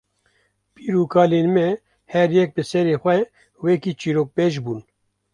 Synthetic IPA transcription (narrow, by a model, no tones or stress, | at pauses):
piːɾukʰɑːleːnmɛ | hɛɾjɛk̚bɨsɛɾeːxʷɛ | wɛkiːt͡ʃiːɾoːk̚peʒbuːn